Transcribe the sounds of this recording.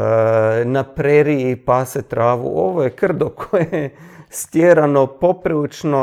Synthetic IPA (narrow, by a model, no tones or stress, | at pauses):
napɾeɾiipaːset̪ɾaːʋṵʔo̞ʋojekr̩d̪okʰojest̪jeːɾano̞po̞pɾilit͡ʃno